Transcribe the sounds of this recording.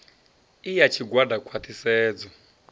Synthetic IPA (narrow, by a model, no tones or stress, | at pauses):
ijat͡ʃʰiɡwadʱakʰwat̪ʰisɛːd͡zɔ